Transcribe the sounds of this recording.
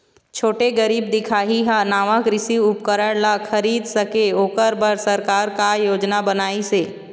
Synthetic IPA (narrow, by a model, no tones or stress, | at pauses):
t͡ʃʰoːʈeɡəɾiːbd̪ɪkʰaːɦiɦanaːʋakɾɪsiʊpkəɾəɽlakʰəɾiːd̪sɐkeoːkəɾbəɾsɐɾkaːɾkajoːd͡ʒnabənaːiseː